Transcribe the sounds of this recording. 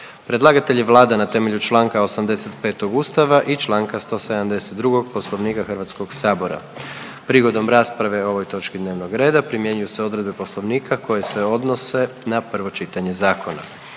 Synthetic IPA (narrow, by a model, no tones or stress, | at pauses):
pɾe̞d̪lˠaːɡat̪e̞ʎiʋlˠaːd̪anat̪e̞me̞ʎut͡ʃlˠaːŋkao̞samd̪e̞se̞t̪pe̞ːt̪oɡust̪aʋaʔit͡ʃlˠaːŋkast̪o̞sed̪amd̪e̞set̪̚d̪ɾuɡo̞ɡ̚po̞slo̞ʋniːkaxrɾʋat̪sko̞ɡsaːbo̞ɾa̰ | pɾiɡo̞d̪o̞mɾaːspɾaʋe̞o̞ʋo̞jt̪o̞t͡ʃkid̪neʋnoɡɾe̞ːd̪apɾimje̞ɲujuseo̞d̪ɾe̞d̪be̞po̞slo̞ʋniːkʰakʰo̞je̞seo̞d̪no̞se̞napr̩ʋo̞t͡ʃit̪aɲe̞zaːkʰo̞na̰